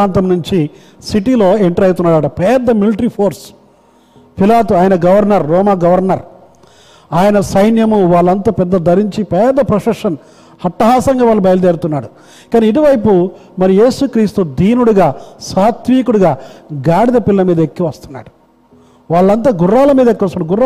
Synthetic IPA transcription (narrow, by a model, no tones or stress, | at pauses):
aːnt̪ɐmnuɲt͡ʃi | siʈilo̞ːeɳʈɐɾɐjt̪̬unːaːɽɐːʈɐpɛːd̪ɐmiliʈɐɾipʰoːɾs | pʰilaːt̪uaːjɐnɐɡɐʋɐɾnɐɾːɔːmaːɡɐʋɐɾnɐɾ | aːjɐnɐsɐjnjɐmuʋaːɭːɐnt̪ɐpɛd̪ːɐd̪ʱɐɾiɲt͡ʃipɛːd̪ɐpɾɐʂɐʂɐn | hɐʈːɐɦaːsɐŋɡaːʋaːɭːubɐjɐlɐd̪eːɾut̪unːaːɽu | kaːniːʈ̬iʋɐjpu | mɐɾije̞ːsukɾiːst̪ud̪ʱiːnuɽuɡaːsaːt̪ʋiːkuɽuɡaːɡaːɽid̪ɐpilːɐmiːd̪ɐekːiʋɐst̪unːa̰ːɽu | ʋaːɭːɐnt̪̬aːɡurːaːlɐmiːd̪ɐekːiʋɐst̪unːaːɽuɡurːa